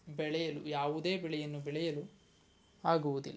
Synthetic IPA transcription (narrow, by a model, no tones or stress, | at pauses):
bɛɭɛjɐlujaːʋud̪e̞ːbɛɭɛjɐnːubɛɭɛjɐlu | aːɡuʋud̪ḭlːɐ